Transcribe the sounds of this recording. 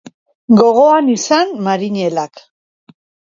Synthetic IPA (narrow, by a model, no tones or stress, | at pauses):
ɡo̞ɣ̞o̞anisanmaɾiɲe̞lak